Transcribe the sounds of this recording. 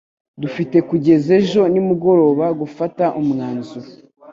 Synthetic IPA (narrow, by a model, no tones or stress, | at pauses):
dufite̞kuɟe̞ze̞ʒo̞nimuɡo̞ɾo̞ːβaɡufataʔumŋaːnzu